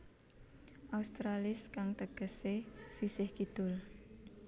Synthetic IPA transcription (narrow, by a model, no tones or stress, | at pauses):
ʔaust̪ɾalɪskaŋt̪əɡ̥ə̤sesisɪhkid̪̥ʊl